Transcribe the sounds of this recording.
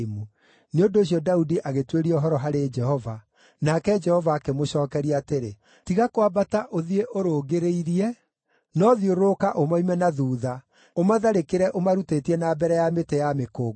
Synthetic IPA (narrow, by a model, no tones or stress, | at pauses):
mu | neondoːɕ̬iɔdaudiʔaɣetweɾiɔɦɔɾɔɦaɾed͡ʒɛhɔva | nakɛd͡ʒɛhɔvaːkemoɕɔːkɛɾiateɾe | tiɣakowabataʔoðieʔoɾoːɣeɾeiɾiɛ | nɔðioɾokaʔomaimɛnaðuːða | omaðaɾekeɾɛʔomaɾuteːtiɛnabɛɾɛjametejamekoːɡ